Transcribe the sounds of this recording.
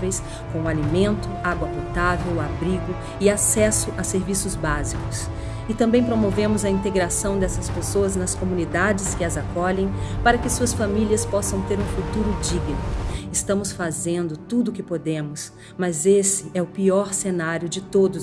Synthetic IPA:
vejs | kõʊalimẽnt̪ʊaɡwɐpot̪avewabɾiɡʊ | ɪasɛsʊʔɐseɾvisʊzbazikʊs | ɪt̪ɐ̃mbẽj̃pɾomovẽmʊzɐĩnt̪eɡɾasɐ̃w̃d̪ɛsɐspesoɐznɐskomũnid̪ad͡ʒɪskɪɐzakɔʎẽj̃paɾɐkɪsuɐsfamiliɐspɔsɐ̃w̃t̪eɾũfut̪uɾʊd͡ʒiɡnʊɪst̪ɐ̃mʊsfazẽnd̪ʊt̪ud̪ʊkɪpod̪ẽmʊs | mɐzesɪɛʊpiɔɾsenaɾjʊd͡ʒɪt̪od̪ʊ

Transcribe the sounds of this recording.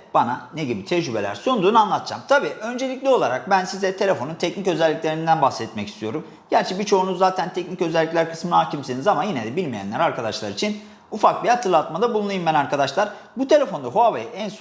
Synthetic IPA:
b̥ananeɟibit̪ʰɛd͡ʒd͡ʒybḛlʲæ̰ɾsond̪uːnanlˠat̪ʰɯ̥d͡ʒamt̪ʰabiːʔø̞nd͡ʒe̞lʲiclʲio̞lˠaɾak̚bænsizɛt̪ʰe̞lʲe̞fo̞nunt̪ʰɛcnicø̞zɛlʲːicʲlʲe̞ɾind̪ænbaxsɛt̪̚mɛci̥st̪ʰijo̞ɾum | ɟ̥æɾt͡ʃʰɛbit͡ʃʰo̞unuzːaːt̪ʰænt̪ʰɛcnicø̞zɛlʲːiclʲæɾkʰɯ̥smɯnaaːcʰimsinizamanjinɛd̪ɛbilʲmijæ̰nlʲæɾaɾkʰad̪aʃlˠaɾit͡ʃʰin | ufak̚bihat̪ʰɯɾlˠat̪mad̪abulˠunajumbænaɾkad̪aʃlˠaɾ̥ | but̪ʰe̞lʲe̞fo̞nd̪aɦoavajaʔɛns

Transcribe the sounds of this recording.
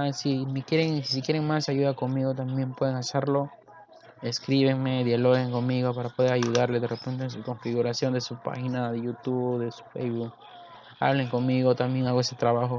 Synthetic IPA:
asimekjeɾeŋsikje̞ɾe̞ŋmasaʝuðako̞nmiɣo̞t̪ambje̞mpwe̞ðe̞ŋaseɾlo̞ | eskɾiβe̞ŋme̞ðjalo̞ɣeŋko̞nmiɣo̞paɾapo̞ðe̞ɾaʝuðaɾle̞zðerʔepe̞nt̪esuko̞ɱfiɣuɾasjo̞nd̪e̞supa̰xinaðeʝut̪uβðe̞su̥fejβuk̚ | a̰βleŋko̞nmiɣo̞t̪amje̞ŋaɣoese̞t̪ɾaβaxo̞

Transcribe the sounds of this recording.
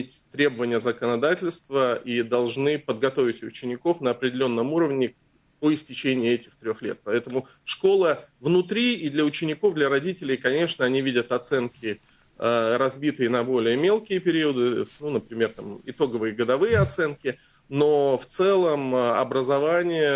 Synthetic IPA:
mʲetʲt̪ɾʲe̞bəvənʲɪjəzəkənɐd̪atʲɪlʲst̪vəʔid̪ɐlˠʐnɨpəd̪̚ɡɐt̪o̞vʲɪtʲʊt͡ɕɪnʲɪko̞fnəɐpɾʲɪdʲɪlʲo̞nːəmuɾəvnʲɪ | poɪsʲtʲɪt͡ɕenʲɪɪɛtʲɪxt̪ɾʲo̞xlʲe̞̰t̪̚pɐɛt̪əmʊ | ʂko̞lˠəvnʊt̪ɾʲiːd̪lʲɐʊt͡ɕɪnʲɪko̞vd̪lʲəɾɐdʲitʲɪlʲɪjkɐnʲe̞ʂnəɐnʲivʲidʲət̪ɐt̪sɛnkʲɪ | əɾɐzbʲit̪ɨjɪnɐbo̞lʲɪjəmʲe̞lˠkʲɪjəpʲɪɾʲiwəd̪ɨnunəpɾʲɪmʲe̞rt̪amɪt̪o̞ɡəvɨjəɡəd̪ɐvɨjəɐt̪sɛnkʲɪ | no̞ft̪sɛlˠəmɐ̰bɾəzɐvanʲɪjə

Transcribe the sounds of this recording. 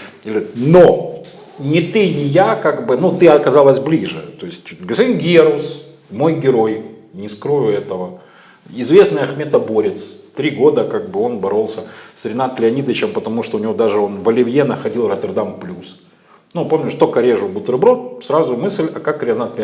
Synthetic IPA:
ɪlʲɪno | nʲɪt̪ɨnʲɪjakaɡbɨnut̪ɨɐkɐzalˠəsʲblʲiʐɨ̰t̪o̞ɪsʲtʲɡəspɐdʲinɡʲeɾus | mo̞jɡʲɪɾo̞jnʲɪskɾo̞jʊɛt̪əvə | ɪzvʲe̞snɨjɐxmʲet̪ɐbo̞ɾʲɪt̪st̪ɾʲiɡo̞d̪əkaɡ̚bɨo̞nbɐɾo̞lˠsʲəsɾʲɪnat̪lʲɪɐnʲid̪əɪt͡ɕɪmpət̪ɐmuʂt̪oʊnʲɪvo̞d̪aʐɨo̞nvɐlʲɪvʲjenəxɐdʲilˠrət̪ʲərd̪amplʲus | nupo̞mnʲʊʂt̪okəɾʲeʐʊbʊt̪ɾɨbɾot̪sɾazʊmɨsʲlʲɐkakɾʲɪɐnat̪lʲ

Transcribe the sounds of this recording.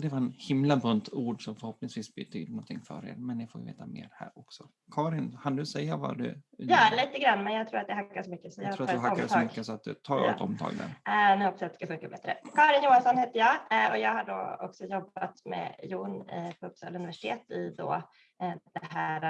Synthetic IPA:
d̪ɛvaɾɛnhɪmlabɵnt̪ʰuːɖʂɔmfœɾhɔpnɪŋsviːsbɪt̪ʰy̰ːd̪nɔnt̪ʰɪŋːfœ̰ːɾḛːɾmɛnːɪfoːjvḛːt̪amḛːɾhæ̰ːɾɔksɔ | kʰɑːɾɪnkʰand̪ɵsɛjːava̰d̪ɵ̰jɑːliːt̪əɡɾanːmɛnjɑɡt̪ʰɾuːɾat̪jaɦakːaʂɔmʏkːəsɔjaɾuːat̪ːd̪hakːad̪sɔmʏkːəsɔat̪̚d̪ɵt̪ʰɑːɾɔ̰t̪ɔ̰mt̪ʰɑ̰ːɡd̪æ̰ɾnʉhɔpːasat̪ːskafɵŋkabɛt̪ɾə̰kʰɑːɾɪnjuːansɔnheːt̪əjɑːɡɔjɑːɡhaɖɔ̰ɔ̰ksɔjɔbat̪mɛ̰juːnpʰɔpst̪ɑ̰ːlɵnɪvæʂɪ̥t̪ʰeːt̪ɪd̪ɔ̰ | d̪̥ɛɦæɾa

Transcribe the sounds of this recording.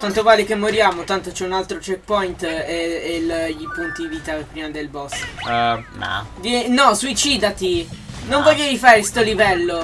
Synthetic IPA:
t̪ant̪ovaːlikemːoɾjaːmot̪ant̪ot͡ʃɛunalt̪ɾot͡ʃɛk̚pɔjint̪eelʎːipunt̪id̪iviːt̪apːɾiːmad̪elbɔs | ma̰d̪inɔsuit͡ʃiːd̪at̪inoɱvoʎːaijfaːɾest̪olivɛlːo

